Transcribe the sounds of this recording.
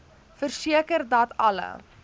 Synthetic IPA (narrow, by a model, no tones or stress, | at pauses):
fərsiəkərdɐtɐ̰lə̰